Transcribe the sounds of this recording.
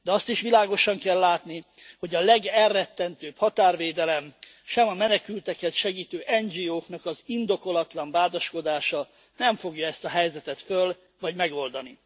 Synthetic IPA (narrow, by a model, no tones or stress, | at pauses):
d̪ɛɒst̪iʃʋilaːɡo̞ʃɒŋkɛlːaːt̪niho̞ɟɒlɛɡɛrːɛt̪ːɛnt̪øːphɒt̪aːrveːd̪ɛlɛm | ʃɛmɒmɛnɛkylt̪ɛkɛt̪ʃɛɡiːt̪øːʔɛnd͡ʒiːoːknɒkɒzind̪o̞ko̞lɒt̪lɒɱbaːd̪ɒʃko̞d̪aːʃɒ | nɛɱfo̞ɡjɒɛst̪ɒɦɛjzɛt̪ɛt̪føl | vɒɟmɛɡo̞ld̪ɒni